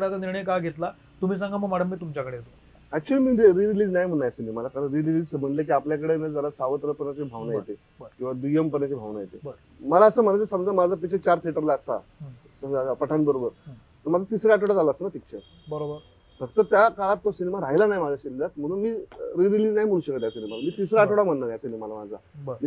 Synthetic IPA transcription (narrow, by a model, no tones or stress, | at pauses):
kəɾat͡saniɾɳəjkajɡʱet̪la | t̪um̤iːs̬ãŋɡaməɡmaɽəmːiːt̪umt͡ɕakəɽeɦet̪o | æk̚t͡ɕuəliːmiːɾiɾiliːd͡znajm̤əɳːajasinemalakaɾənɾililiːd͡zsəm̤əɳlek̬iːapljakəɽenəd͡zəɾasaʋət̪ɾəpəɾnat͡ɕibʱaʋnajḛt̪e | kĩw̃ʋad̪ujempəɾat͡ɕibʱaʋnajet̪e | məlaəsəːm̤əɾad͡zesəmd͡zamad͡zʱapikt͡ɕʰət͡ɕaɾt̪ʰeʈəɾlaəst̪a̰ | səapəʈʰanbəɾobəɾ | t̪əɾmad͡zʱat̪isɾeaʈoɽad͡zaləəsənapik̚t͡ɕʰəɾ | bəɾobəɾ | bək̚t̪ət̪jakaɭat̪ːosinemaɾaɦjlanaɦjmad͡zʱaɕinelat̪m̤əɽ̃ũːnmiːɾiɾiliːd͡znajm̤əɽuːɕəkət̪ajasinemalamiːt̪isɾeaʈoɽam̤əɳːanajasinemalamad͡zʱa̰mi